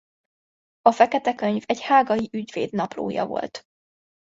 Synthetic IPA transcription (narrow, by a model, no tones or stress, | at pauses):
ɒfɛkɛt̪ɛkø̞ɲvɛɟhaːɡɒjiʔyɟvḛːd̪nɒplo̰ːjɒ̰vo̞̰lt̪